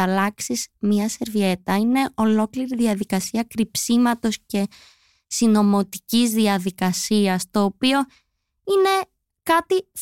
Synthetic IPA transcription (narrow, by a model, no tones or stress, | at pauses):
ɐlɐksiz̥mɲɐse̞ɾvie̞t̪ɐine̞ʔo̞lo̞kliɾiðiɐðikɐsiɐkɾipsimɐt̪o̞sce̞ | sino̞mo̞t̪i̥cizðiɐðikɐsiɐst̪o̞ːpio̞ | ine̞ | kɐt̪i